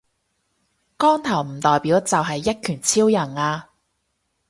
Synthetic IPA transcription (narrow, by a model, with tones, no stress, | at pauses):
kɔː˥ŋt̪ʰɐ˨˩wm̩˨˩t̪ɔː˨jpiː˨˥wt͡sɐ˨wɦɐ˨jːɐ˥t̚kʰyː˨˩nt͡sʰiː˥wjɐ˨˩ŋaː˧